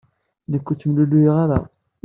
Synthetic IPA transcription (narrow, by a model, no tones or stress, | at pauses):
nəkʷːut͡sːəmluluiʁaɾa̰